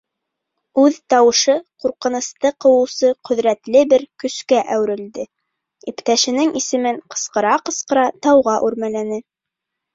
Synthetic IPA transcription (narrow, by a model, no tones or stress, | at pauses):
ʉðt̪ɑwɤ̆ʃɤquɾqɤ̆nɤ̆st̪ɤqɤ̆wɤ̆wsɤqɵ̆ðɾæt̪lɘbɘɾkɵ̆skæʔæwɾɘ̆ld̪ɘ | ipt̪æʃɘ̆nɘŋʔisɘ̆mɘŋqɤ̥̆sqɤ̆ɾɑqɤ̆sqɤ̆ɾɑt̪ɑwʁɑʔʉɾmælænɘ